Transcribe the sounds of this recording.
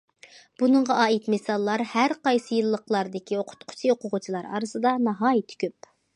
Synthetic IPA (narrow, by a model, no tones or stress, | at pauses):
b̥unəɴʁɑʔɑːit̪mɪsɑlˠːɑɾhæɾqɑjsɨjilˠːəqlˠɑɾd̪ɪkʲʰioqʰʊ̥t̪qʰʊ̥t͡ʃʰioqʰʊʁʊt͡ʃʰilˠɑɾɑ̰ːɾɨsɨd̪ɑnɑɦɑːjit̪ʰːɪ̥kʲøp